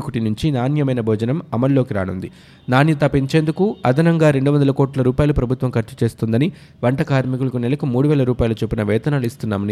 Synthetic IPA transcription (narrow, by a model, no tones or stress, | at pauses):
kuʈinuɲt͡ʃinaːnjɐmɐjnɐbʱoːd͡ʒɐnɐmɐmɐlːo̞ːkiɾa̰ːnund̪i | naːnjɐt̪ɐpːiɲt͡ʃeːnd̪ukuɐd̪ʱɐnɐŋɡaːɾe̞ɳɖuʋɐnd̪ɐlɐkoːʈlɐɾuːpaːjɐlupɾɐbʱut̪ʋɐmkɐʈt͡ʃi̥t͡ʃe̞ːst̪und̪ɐni | ʋɐɳʈɐkaːɾmikulɐkunɛlɐkumuːɽuʋɛːlɐɾuːpaːjɐlut͡ʃepːinɐʋɛːt̪ɐnaːluist̪unːaːmɐni